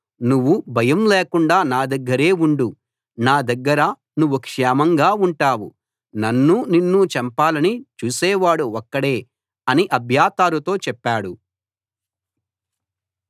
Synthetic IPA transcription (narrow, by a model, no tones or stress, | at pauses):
nuʋːubʱɐjɐmleːkuɳɖaːnaːd̪ɐɡːɐɾe̞ːuɳɖu | naːd̪ɐɡːɐɾɐ | nuʋːukʂɛːmɐŋɡaːuɳʈaːwṵ | nɐnːuninːut͡ʃɛmpaːlɐnit͡ʃuːsɛːʋaːɽuɔkːɐɽe̞ː | ɐniʔɐbʱjaːt̪aːɾut̪o̞ːt͡ʃɛpːaːɽu